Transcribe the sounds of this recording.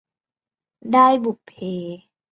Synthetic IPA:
daː˥˩jbu˨˩pʰːeː˨˦

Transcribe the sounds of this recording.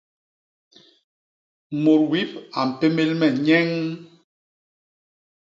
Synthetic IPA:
mo˨ɾwi˦pa˨m̩˨pe˦me˦lmɛ˨ɲɛ˦ŋ

